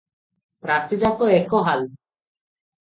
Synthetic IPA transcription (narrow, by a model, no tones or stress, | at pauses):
pɾat̪id͡ʒakɔekɔɦal